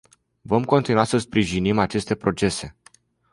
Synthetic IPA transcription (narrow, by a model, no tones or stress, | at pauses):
vo̞mko̞nt̪inuasəspɾiʒinimat͡ʃe̞st̪e̞pɾo̞t͡ʃe̞se̞